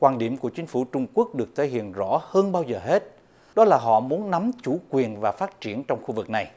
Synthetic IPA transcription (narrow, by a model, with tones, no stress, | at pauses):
kwaː˧˩nɗi˧˩əmku˧˩ət͡ɕï˨˦ŋ̟fu˧˩t͡ɕʊ˧ŋ͡mku˦˥ək̚ɗɨ˨˩ək̚t̪ʰe˨˦hḭ˧˨ənzɔ̰˧˥həː˧nɓaː˧wzəː˨˩ɦe˦˥t̚ | ɗɔ˨˦laː˨˩ɦɔ̰˧˨mu˨˦ənna˨˦mt͡ɕu˧˩kwi˨˩ənvaː˨˩faː˦˥t̚t͡ɕi˧˩ənt͡ɕɔ˧wŋ͡mxu˧vɨ˨˩k̚na˨˩j